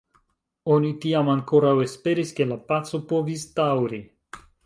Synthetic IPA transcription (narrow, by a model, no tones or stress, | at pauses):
o̞nitiamaŋko̞ɾawe̞spe̞ɾiske̞lapat͡so̞po̞vistawɾi